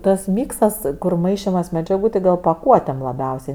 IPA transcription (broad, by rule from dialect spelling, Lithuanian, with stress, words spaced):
tɐs ˈmʲiːksɐs kʊr ˈmɐɪʃʲɪmɐs mʲɛd͡ʒʲɛˈɡuː tɐɪ ˈɡɐlˠ pɐˈkuɔtʲeːm lˠɐˈbʲɛʊsʲɛɪ